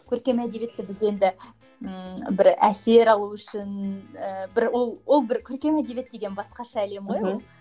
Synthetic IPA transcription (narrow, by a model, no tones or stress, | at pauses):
kʲʰɵɾkʲe̞mæd̪e̞vʲje̞t̪ːɪbɪze̞nd̪ɪ | bɪɾæ̰se̞ɾɑlˠuʏʃɪnəbɪɾwo̞lˠwʔo̞lˠbɪɾkʲʰɵɾkʲe̞mæd̪e̞je̞t̪̚d̪e̞ɡʲe̞nbɑsqɑʃɑːle̞mʁojolˠ